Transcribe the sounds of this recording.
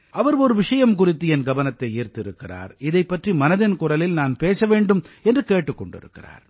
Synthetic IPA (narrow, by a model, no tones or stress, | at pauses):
ʔɐʋɐɾɔɾɯʋɪʂɐjɐmkʊrɪt̪ːɯɛnɡɐʋɐnɐt̪ːɐɪiːɾt̪ɪɾɯkːɪra̰ːɾɪðɐɪpːɐʈrimɐnɐðɪnkʊrɐlɪlnaːnpeːsɐʋeːɳɖɯmɛndrɯkeːʈːɯkːɔɳɖɪ̰ɾɯ̰kːɪra̰ːɾ